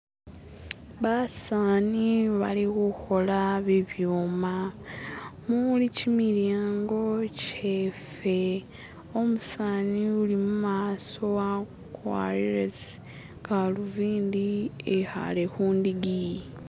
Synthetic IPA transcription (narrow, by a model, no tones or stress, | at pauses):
βasaːniβa̰liɣuxo̞laβiβjuːma | mulicimiɾaːŋɡo̞cefe | o̞musaːniulimumaːso̞wa | kwa̰ɾiɾes | kaluviːnd̪ieha̰lexuːnd̪iɡi